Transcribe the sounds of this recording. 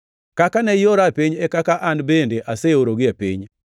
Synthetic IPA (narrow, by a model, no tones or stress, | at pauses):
kakanɛjoɾapiɲɛkakaʔanbendeʔaseoɾoɡɪapḭɲ